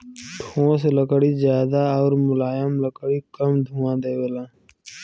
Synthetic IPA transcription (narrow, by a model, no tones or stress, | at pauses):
ʈʰõːseləkɽizjaːd̪aɔːɾmʊlaːjəmləkɽikəmd̪ʱuːãːd̪eːwəlãː